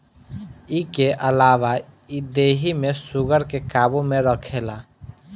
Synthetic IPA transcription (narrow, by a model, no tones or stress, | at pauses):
ikeʔəlaʋaid̪eɦimesuɡəɾkekabomeɾəkʰela